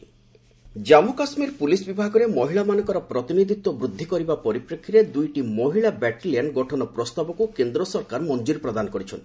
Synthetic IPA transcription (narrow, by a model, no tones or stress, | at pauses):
d͡ʒamukasmiɾpulisbibʱaɡɔɾemɔɦiɭamanɔ̃ŋkɔɾɔpɾɔt̪inid̪ʱit̪wɔbɾud̪ʱːikɔɾibapɔɾipɾekʰːiɾed̪ujʈimɔɦiɭabɛʈilijaɳɖɡɔʈʰɔnɔpɾɔst̪abɔkukend̪ɾɔsɔɾkaɾmɔnd͡ʒuɾpɾɔd̪anɔkɔɾit͡ʃʰɔnt̪i̥